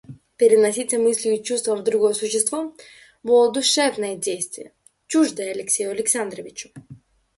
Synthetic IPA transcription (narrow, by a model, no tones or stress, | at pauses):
pɛɾɛnasit̪ɛmislʲiuit͡ʃust̪vavd̪ɾuɡɔsuʃɛst̪vɔ | vɔɔd̪uʃɛfnaid̪ʲejst̪viɛ | t͡ʃuʒd̪ɛalɛksʲɛɔlɛksand̪ɾɔvit͡ʃu̥